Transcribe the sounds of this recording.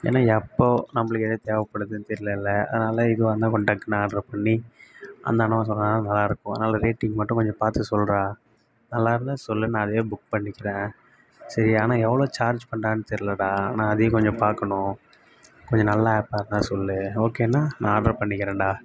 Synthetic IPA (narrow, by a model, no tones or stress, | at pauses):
ḛːnːaːɛpːoːnɐmːɐɭɯkːɛðeːt̪eːʋɐpːɐɽɯðɯnt̪ɛɾɪlɐlːɐɐ̰ðɐnaːlɐɪðɯʋɐnd̪ãːkɔɳɖɐk̚ʈnaːɾɖɐɾpɐɳːiʔɐ̰nd̪ɐːnɐas̬ɔlːaanɐlːaːɪɾɯkːʊ̃ɐðɐnaːlɐɾeːʈːɪŋɡmɐʈːʊ̃kɔɲd͡ʒɔ̃paːɾt̪ɯsɔlɾãː | nɐlːaːɪɾɯnd̪asɔlːɯnãːɐðɐjeːbʊk̚pɐɳːɪkʲːɪɾẽː | sɐɾiaːnaːɛʋːɐɭoːt͡ʃaːɾd͡ʒpɐɳɖaːnɯt̪ɛɾɪlɐɽaːa̰ːnaːɐðɯjẽkɔɲd͡ʒɔ̃paːɾkɐɳʊ̃ | kɔɲd͡ʒɐ̃nɐlːaeːpːaːɾnaːsɔlːɯoːkeːnːaːnaaːɾɖɐɾpɐɳːɪkːɪɾẽːɳɖaː